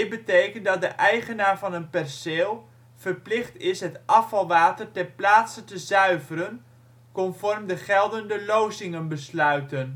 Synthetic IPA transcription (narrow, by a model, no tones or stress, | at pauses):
ɪbətejkəndɑt̚dəʔɛjχənaːɹvɑnənpɛrseːlˠ | v̥ərplɪχtɪsɦətʔɑfɑlˠʋaːtərtɛnplaːtsəntəzœɥvəɾən | kɔnfɔrmdəχɛlˠdəndəlowzɪŋənbəslœɥtən